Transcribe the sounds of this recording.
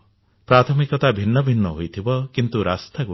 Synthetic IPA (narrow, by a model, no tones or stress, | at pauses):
pɾat̪ʰɔmikɔt̪abʱinːɔbʱinːɔɦojt̪ʰibɔkint̪uɾast̪ʰaku